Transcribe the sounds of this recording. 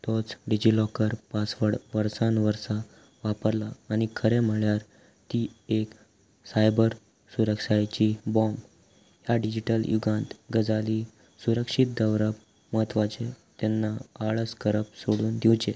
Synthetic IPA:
t̪ɔt͡sɖid͡ʑilɔkəɾpasʋəɽʋəɾsãnʋəɾsa | ʋapəɾlaːñikʰəɾɛm̤əɭjaɾ | t̪iːek | sajbəɾ | suɾəkʂajt͡ɕibɔ̃mb | ɦjaɖid͡ʑiʈəljuɡãnt̪ɡəd͡zali | suɾəkʂit̪̚d̪əʋɾəp̚ | məɦət̪ʋat͡ɕet̪ɛnːaaɭəskəɾəp̚soɽuːnd̪iwt͡ɕe

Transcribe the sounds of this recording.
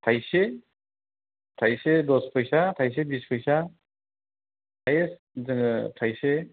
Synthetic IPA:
tʰajse | tʰajsedɔspʰɯjsatʰajs̬ebispʰɯjsa | tʰajes | zŋtʰajse

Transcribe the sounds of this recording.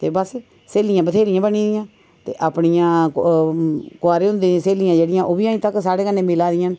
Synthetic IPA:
t̪eːbəs | seːlijãːbət̪ʰeːɾɪjãːbəniːd̪ɪjãː | t̪ḛːʔaːpɳijãː | koaːɾẽːɦʊ̃nd̪ẽseːlijãːd͡ʒeːɽɪjãːʔoːbiːaːĩːt̪əksaːɽeːkənːẽːmɪlaːd̪ɪjãːn

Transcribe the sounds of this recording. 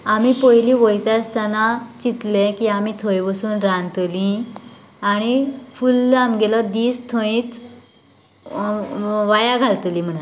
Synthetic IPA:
amipəjlĩʋəjt̪ast̪anat͡ɕit̪lekiamit̪ʰə̃jʋəsuːnɾãnt̪lĩ | aɽ̃ifulːamɡelɔd̪iːst̪ʰə̃ĩt͡s | ʋajaɡʱalt̪lim̤əɳ̃

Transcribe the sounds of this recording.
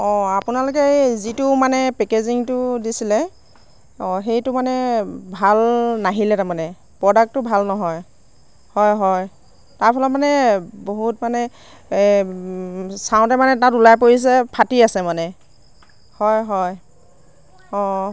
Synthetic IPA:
ɔ̃apunalʊk̬ɛzitʊmanɛpɛkeziŋtʊdisilɛ | ɔxejtʊmanɛbʱalnaɦilɛtamanɛ | pɹɔdak̚tːʊbʱalnɔɦɔj | hɔjɦɔj | taɹpʰalɔtmanɛboɦutmanɛ | saʊ̃tɛmanɛtãtulajpoɹis̬ɛpʰatiasɛmanɛ | hɔjɦɔj | ɔ̃

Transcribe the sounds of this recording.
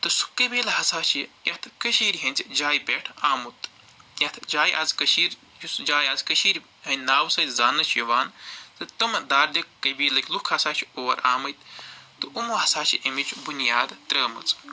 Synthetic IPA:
t̪ɨsu̥kɐbiːlɦɐsaːt͡ʃʰijɐt̪ʰkɐʃiːɾʲɦɐnʲt͡sʲid͡ʒaːjbeʈʰaːmut̪ | jɐt̪ʰd͡ʒaːjʔɐ̰zkɐʃiːɾ | jusd͡ʒaːjɐzkɐʃiːɾʲ | ɦɐnaːwsɐt͡sʲzaːnɐt͡ʃʰjɐʋaːnt̪ɨt̪ɐmɐd̪aːɾd̪ɐkːɐbiːlɐkʲʰlukʰɐsaːt͡ʃʰioːɐɾaːmɐjt̪t̪ɨʔumoɦɐsaːt͡ʃʰiʔɐmit͡ʃʰubunjaːd̪t̪ɾɐːmɐ̰t͡s

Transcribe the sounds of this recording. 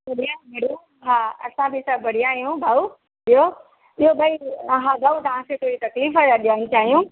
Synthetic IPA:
bɐɽijãːmeɽu | ɦaːɐ̰sãbʱɪsɐbɐɽ̤ijaːɦijũbʱaːu | ɗijo | ɪɦoɓɐiɦãːbʱaːut̪ɐʋ̤ãkʰet̪ʰoːɾit̪ɐkliːfajaɗijaːnt͡ɕaːɦijũ

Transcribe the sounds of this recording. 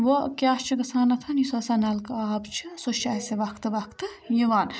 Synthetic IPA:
ʋokʲjaːst͡ʃʰiɡɐsʰaːnɐt̪ʰɐnisɐsanɐlkaːbt͡ʃʰisuʃaːseʋɐkʰt̪ɨʋɐkʰt̪ɨjiʋaːn

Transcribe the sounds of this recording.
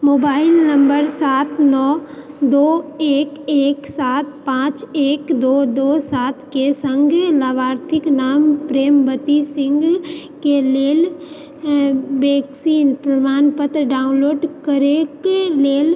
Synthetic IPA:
moːbaːɪlnə̃mbəɾsaːt̪ʰnɔːd̪oːeːkeːksaːt̪̚ʰpãːt͡ʃeːkd̪oːd̪oːsaːt̪ʰkesə̃ŋɡlaːʋaːɾt̪ʰɪknaːmpɾeːmbət̪isɪ̃ŋɡkeleːl | beːksiːnpɾɐmaːnpət̪ɾəɖaːʊ̃nloːɖkəɾekleːl

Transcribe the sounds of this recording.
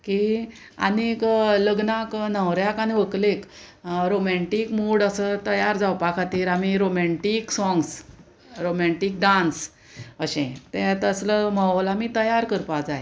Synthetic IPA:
ki | a̰nikləɡnaknəʋɾjakañiʋəklekɾomɛɳʈikmuɽəsət̪əjaɾd͡zawpakʰat̪iːɾamiɾomɛɳʈiksɔŋɡs | ɾomɛɳʈiːk̚ɖans | əɕɛ̰̃t̪ɛ̃t̪əsləməlamit̪əjaɾkəɾpad͡zaj

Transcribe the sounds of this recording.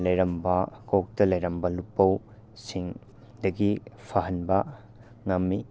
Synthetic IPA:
lɐjɾɐmbɐkok̚tɐlɐjɾɐmbɐlupːɐw | siŋ | dɐɡipʰaɦɐnbɐ | ŋɐmːi

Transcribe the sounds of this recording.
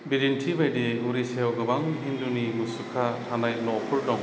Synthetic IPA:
biɾinʈʰibajdeuɾisewɡɯbaŋɦind̪unimɯsukʰahʰanaj̚lɔʔpʰuɾɖɔŋ

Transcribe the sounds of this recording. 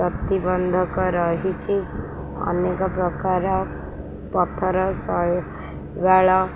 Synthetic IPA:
ʌt̪ibʌnd̪ʱʌkɔɾʌɦit͡sʰi | ʌ̰nekɔpɾʌkaɾa | pʌt̪ʰːʌɾʌsʌj | baɭa

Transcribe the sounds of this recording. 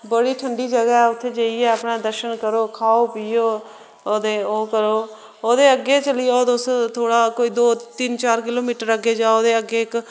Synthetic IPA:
bəɽiːʈʰəɳɖiːd͡ʒəɡaːɛːʊt̪ʰːeːd͡ʒəːiɛːəpɳãːd̪əɾʃənkəɾoːkʰaːoːpɪjoː | oːd̪eːoːkəɾoː | oːd̪eːəɡːeːt͡ʃəlɪjaod̪ʊst̪ʰoːɽaːkoːiːd̪oːt̪ɪnt͡ʃaːɾkɪloːmiːʈəɾəɡeːd͡ʒaːoːd̪eːəɡːeːɪk

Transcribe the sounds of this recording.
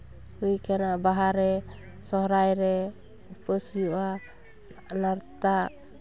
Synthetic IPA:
ujkɛnabaɦaɾɛ | sɔɦɾajɾɛ | upəsujuʔa | anaɾt̪a

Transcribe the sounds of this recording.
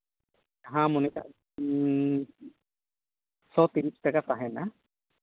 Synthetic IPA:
ɦãmɔnika̰ʔ | sɔt̪iɾisʈakat̪aɦɛna

